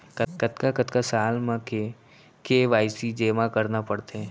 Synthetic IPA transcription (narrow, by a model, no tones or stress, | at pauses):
kkət̪kakət̪kasaːlmãe | keʋaːɪsid͡ʒeːmakəɾnapɐɽt̪eɦɛ̃